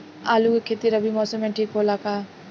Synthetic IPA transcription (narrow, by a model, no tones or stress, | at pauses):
aːlukekʰeːt̪iɾəbʱimɔːsəmẽʈʰiːkɦoːlakaː